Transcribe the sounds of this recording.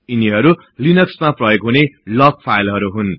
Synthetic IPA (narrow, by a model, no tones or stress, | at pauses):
iniɦʌɾu | linʌksmaprʌjoɡɦunelʌk̚pʰajlɦʌɾuɦun